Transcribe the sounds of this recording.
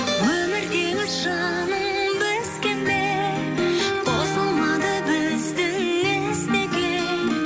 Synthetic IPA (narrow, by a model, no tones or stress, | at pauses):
wɵmɪɾɡ̪ʲemɪzʒɑ | nəmbɪskʲenbe | qʰosəlˠmɑd̪əbɪzd̪ɪnːest̪ekʲe | n